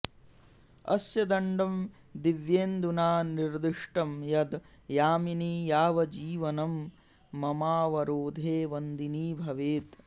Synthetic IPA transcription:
ɐ̰sjɐd̪ɐɳɖɐm | d̪iʋjeːnd̪unaːniɾd̪iʂʈɐmjɐd̪ | jaːminiːjaːʋɐd͡ʒiːʋɐnɐmː | ɐmaːʋɐɾoːd̪ʱeːʋɐnd̪iniːbʱɐʋeːt̪

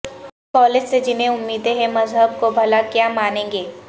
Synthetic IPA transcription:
pɔːlɪd͡ʒsed͡ʒɪnɦẽʊmːiːd̪eɦɛ̃mɐzɦəb̚kobʱɐlakjaːmaːnẽːŋɡeː

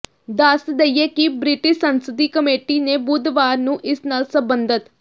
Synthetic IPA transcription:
d̪əsd̪eijeːkɪbɾɪʈɪʃsənsəd̪iːkəmeːʈiːneːbuːd̪ʋaːɾnũːʔɪsnaːlsəbənd̪ət̪

